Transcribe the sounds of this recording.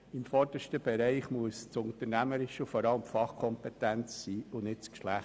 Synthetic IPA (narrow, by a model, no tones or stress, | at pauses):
ɪmfɔɾd̥əʃtəb̥ɛɾɛɪχmuəst͡sʊntəɾnæməɾɪʃufɔɾɑləmfɑχkʰɔmpetænt͡ssiːʊnɪt̚t͡skʃlæχ